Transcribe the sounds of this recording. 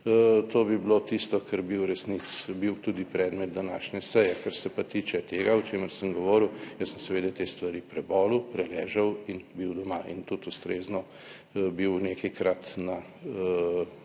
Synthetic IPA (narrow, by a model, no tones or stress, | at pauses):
t̪oːbiblot̪ist̪ɔkʰəɾbiwɾɛsnit̪sbiwt̪ud̪ipɾɛːd̪mɛt̪̚d̪anaːʃnʲɛsɛjɛkaɾsɛpat̪iːt͡ʃɛt̪eːɡaɔt͡ʃeːməɾsəmɡɔʋɔːɾiwjəssəmsɛʋeːd̪ɛjt̪eːst̪ʋaɾiːpɾɛbɔːlupɾɛlɛːʒəwinbiwd̪ɔmaʔḭnt̪ut̪ust̪ɾeːznɔ | biwnekɐjkɾat̪na